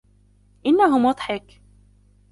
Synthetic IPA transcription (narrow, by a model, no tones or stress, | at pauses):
ʔɪnːaɦʊmwɑd̪ˤħɪk